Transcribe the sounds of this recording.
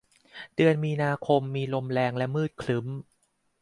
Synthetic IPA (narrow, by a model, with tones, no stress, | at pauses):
dɯ˧ənmiː˧naː˧kʰo˧mːiː˧lo˧mlɛː˧ŋlɛ˦˥mɯː˥˩t̪̚kʰlɯ˩˦m